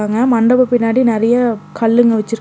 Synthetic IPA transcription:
aːŋɡɐmɐɳɖɐbɐpɪnːaːɽinɪɾɐjɐkɐɭːɯŋɡɐʋɐt͡ʃːɯɾɯ

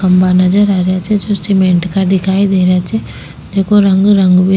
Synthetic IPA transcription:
kəmbanəd͡ʒəɾaːɾejat͡ʃʰɛd͡ʒosʈɪmɛ̃ɳʈkad̪ɪkʰaːid̪eːɾejat͡ʃʰɛː | d̪̥eːkʰoɾəŋɡɾəŋɡbʱi

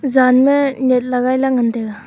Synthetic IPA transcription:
zanmɯnet̪̚laɡajlaŋɯndeɡa

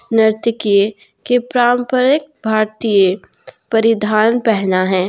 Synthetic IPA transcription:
nɪɾt̪ɪkije | kepɾaːmpəɾək̚bʱaːɾt̪ijəpɐɾɪd̪ʱaːnpɛɦnaɦɛ̃ː

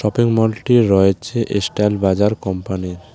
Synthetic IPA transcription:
ʃɔpiŋmɔlʈiɾɔet͡ɕʰeʔesʈalbad͡ʑaɾkɔmpaniɾ

